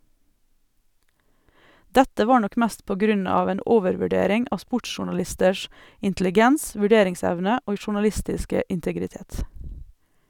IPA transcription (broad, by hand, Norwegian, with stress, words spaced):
ˈdɛtə ˈʋɑː ˈɳɔk ˈmæst ˈpoː ˈɡɾʉn ˈɑːʋ ˈeːn ˈoːʋəɾʋʉˌɖeːɾɪŋ ˈɑː ˈspʊʈʃʊɳɑˌlɪstəʃ ɪntlɪˈɡɛns ʋʉˈɖeːɾɪŋˌsɛʋnə ˈoːɡ ʃʊɳɑˈlɪstɪskə ɪntəɡɾɪˈteːt